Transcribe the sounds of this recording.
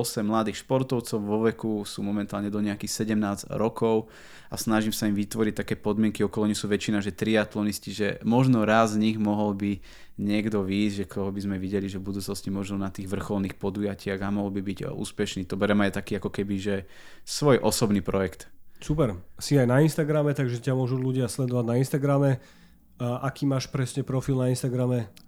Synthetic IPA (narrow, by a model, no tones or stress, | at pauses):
ɔsɛmːlad̪iːxʃpɔɾt̪ɔʊt͡sɔʊʋɔʋɛkusuːmɔmɛnt̪aːlɲɛd̪ɔɲɛakixsɛɟɛmnaːzɾɔkʰɔʊ | asnaʒimsaimʋit̪ʋɔɾic̚t̪akɛːpɔd̪mɪɛŋkiɔkɔlɔɲixsuːʋɛt͡ʃinaʒɛt̪ɾiat̪lɔnisciʒɛmɔʒnɔɾazzɲiɣmɔɦɔlbi | ɲɪɛɡd̪ɔʋiːzɟʒɛkt̪ɔɦɔbizmɛʋiɟɛliʒɛvbud̪uːt͡snɔscimɔʒnɔnat̪iːɣʋr̩xɔlniːxpɔd̪ujacɪaɣamɔɦɔlbibiɟṵːspɛʃniːt̪ɔbɛɾɛmajt̪akiːakɔkɛbiʒɛ | sʋɔjʔɔsɔbniːpɾɔjɛkt̪supɛɾsiajnainst̪aɡɾamɛt̪aɡʒɛcamʊɔʒuluɟɪaslɛd̪ɔʋaɟnainst̪aɡɾamɛ | ʔakiːmaːʃpɾɛsɲɛpɾɔfilnainst̪aɡɾamɛ